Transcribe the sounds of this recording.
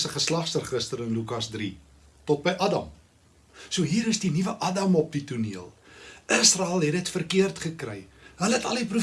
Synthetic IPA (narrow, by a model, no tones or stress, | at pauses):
səχəslɐχsərχəstəɾənlukɐsdri | tɔt̚bəjʔɐdɐ̰m | suəɦiːɾəsdinivəʔɐdɐmɔp̚dituniəlˠʔəsrɑɛlˠɦɛdətfərkiərtχəkrɛjɦələɦətɐ̰lipru